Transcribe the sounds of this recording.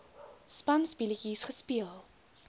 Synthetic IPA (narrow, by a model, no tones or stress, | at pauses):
spɐnsbilikisχəspiəlˠ